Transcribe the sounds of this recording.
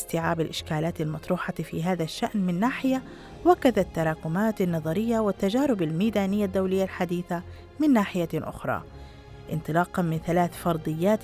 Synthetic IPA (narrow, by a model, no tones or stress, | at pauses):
st̪ɪʕaːbalʔɪʃkaːlaːt̪almɑt̪ˤɾuːħɑfiːɦaːðaʃːaʔnmɪnːaːħɪja | wakːad̪at̪ːɑɾˤɑːkʊmaːt̪anːɑðˤɑɾɪjːawɪt̪ːad͡ʒaːɾɪbalmiːd̪aːnɪjːad̪ːawlɪjːalħad̪iːθa | mɪnːaːħɪjaʔʊ̰xɾˤɑ̰ː | ʔɪnt̪ˤɨlɑːqɑnmɪnθalaːθfɑɾˤd̪ˤɨjːaːt̪